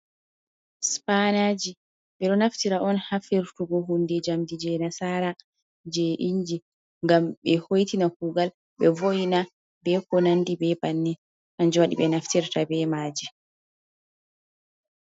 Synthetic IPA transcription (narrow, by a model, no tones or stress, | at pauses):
spanad͡ʒi | ɓɛɗɔnaftiɾaʔɔnhafiɾtuɡɔɦundɛd͡ʒamdid͡ʒɛnasaɾa | d͡ʒɛʔiɲd͡ʒi | ŋɡamɓɛhojtinakuːɡal | ɓɛvojina | bɛkɔnandibɛbanːi | ʔand͡ʒɔwaɗḭɓɛnaftiɾtabɛmaːd͡ʒi